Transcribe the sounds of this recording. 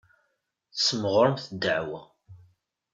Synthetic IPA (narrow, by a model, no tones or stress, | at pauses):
θsəməʁəɾˤmθəd̪ːəʕwæ